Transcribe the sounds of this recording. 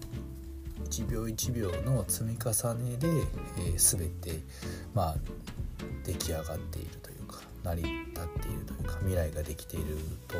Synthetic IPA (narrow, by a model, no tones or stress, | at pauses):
it͡ɕibʲjo̞ːit͡ɕibʲjo̞ːno̞t͡sɨmʲikasane̞d̪e̞ːsɨbe̞t̪e̞ | ma | d̪̥e̞kʲiaɡat̪ːe̞̰ḭɾɯ̟t̪o̞jɯ̟̰ːkʰḁ | naɾʲit̪at̪ːe̞ḭɾɯ̟t̪o̞jɯ̟kamʲiɾaiɡad̪e̞kʲi̥t̪e̞iɾɯ̟t̪o